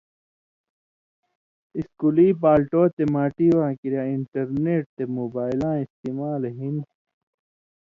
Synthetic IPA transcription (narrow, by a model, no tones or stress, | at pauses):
iskuliːpaːlʈoːt̪emaːʈiwãːkiɾjaiɳʈɐɾneːʈ̚t̪emoːbaːjlãːist̪iːmaːlɦin